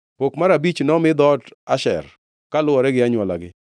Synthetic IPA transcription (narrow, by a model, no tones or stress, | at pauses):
pokmaɾabit͡ʃnɔmɪd̪ɔtaʃɛ̰r | kalʊwɔɾɛɡɪaɲwɔla̰ɡɪ